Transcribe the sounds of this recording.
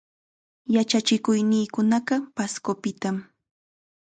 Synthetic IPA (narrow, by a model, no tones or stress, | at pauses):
jat͡ʃat͡ʃɪkʊjnɪːkʊnɑɢɑpaskopɪt̪am